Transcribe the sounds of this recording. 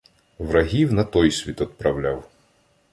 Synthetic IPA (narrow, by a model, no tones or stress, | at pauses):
ʋɾɐɦʲiwnɐt̪ɔjsʲʋʲit̪ɔd̪̚pɾɐwlʲaw